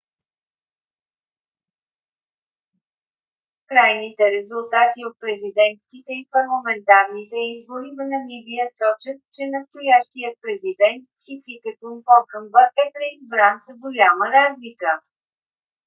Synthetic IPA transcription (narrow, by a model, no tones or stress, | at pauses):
kɾajnit̪ɛɾɛzulˠt̪at̪iot̪̚pɾɛzid̪ɛnt̪skit̪ɛipɐɾlˠɐmɛnt̪aɾnit̪ɛizboɾivənɐmibijəsɔt͡ʃət̪̚t͡ʃɛnəst̪ojaʃt̪ijət̪̚pɾɛzid̪ɛnt̪kʲifikət̪onpɔkəmbəʔɛpɾɛizbɾanzəɡojaməɾazlikə